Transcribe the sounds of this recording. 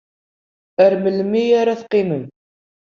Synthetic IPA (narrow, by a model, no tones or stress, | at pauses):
əɾməlmijaɾaθqːiməm